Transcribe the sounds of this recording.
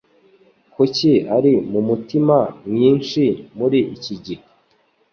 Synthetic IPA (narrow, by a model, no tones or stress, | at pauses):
kuciaɾimumutimamɲiːnʃimuɾiʔːciɟihe